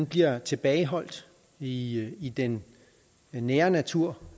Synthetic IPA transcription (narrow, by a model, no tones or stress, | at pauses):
nb̥liɐt͡sʰe̝b̥ɛːɪɦɒ̽l̰d̥ | iid̥enː | eːɐnæt͡sʰuɐ̰